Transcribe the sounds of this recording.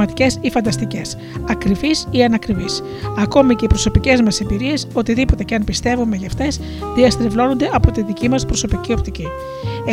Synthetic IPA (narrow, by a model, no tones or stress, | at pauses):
ɐt̪i̥ce̞sifɐnd̪ɐst̪ice̞s | ɐkɾivisiɐnɐkɾivis | ɐko̞mice̞ipɾo̞so̞pice̞zmɐse̞mbiɾie̞so̞t̪iðipot̪e̞ceɐnpist̪e̞vume̞ʝɐft̪e̞s | ðiɐst̪ɾevlo̞no̞nd̪e̞ʔɐpo̞t̪inðicimɐspɾo̞so̞picio̞pt̪ici | e